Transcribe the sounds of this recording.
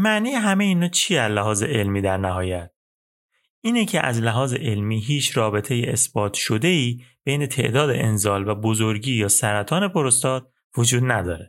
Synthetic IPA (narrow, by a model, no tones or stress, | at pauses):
mæʔniːjeɦæmejinoːt͡ʃʰiæzlæɦɒːze̞̰ʔelmiːd̪æɾnæɦɒːjæt̪̚ | ʔiːnecʰeʔæ̰zlæɦɒːze̞̰ʔe̞lmiːɦiːt͡ʃʰɾɒːbe̞t̪ʰejeesb̥ɒːt̪ʰʃo̞d̪e̞iːb̥ejne̞t̪ʰe̞̰ʔd̪ɒːd̪ḛʔenzɒːlvæbozoɾɟiːjɒːsæɾæt̪ʰɒːne̞pʰoɾost̪ɒːd̪̥̚ | vod͡ʒuːd̪næd̪ɒːɾe